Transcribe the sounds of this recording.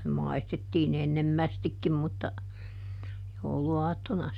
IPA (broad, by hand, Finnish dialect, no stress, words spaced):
nym mɑistetːiːn enːemːæstikːim mutːɑ jouluɑːtːonɑ